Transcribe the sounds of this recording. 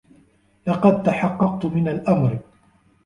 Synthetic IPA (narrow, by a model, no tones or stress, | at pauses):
lɑqɑd̪̚t̪aħɑqːɑq̚t̪mɪnalʔamɾ